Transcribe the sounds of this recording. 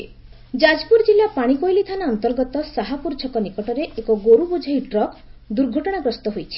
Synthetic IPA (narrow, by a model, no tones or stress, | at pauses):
d͡ʒad͡ʒpuɾd͡ʒilapaɽ̃ikojlit̪ʰanaɔnt̪ɔɾɡɔt̪ɔsaɦapuɾd͡ʒʰɔkɔnikɔʈɔɾeʔekɔɡoɾubud͡ʒʱɔjʈɾɔkd̪uɾɡʱɔʈɔɽ̃aɡɾɔst̪ɔɦojt͡ʃʰi̥